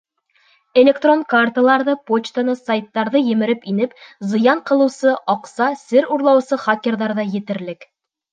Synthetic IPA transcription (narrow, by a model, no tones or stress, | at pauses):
elʲekt̪ro̞ŋkart̪əlˠɑɾðɤpot͡ɕt̪ənɤsajt̪ːɑɾðɤjɘ̆mɘ̆ɾɘpinɘpzɤ̆jɑɴqɤ̆lˠɤ̆wsɤʔɑqsɑsɘɾuɾlˠɑwsɤχakʲerðɑɾðɑjɘ̆t̪ɘ̆ɾlɘk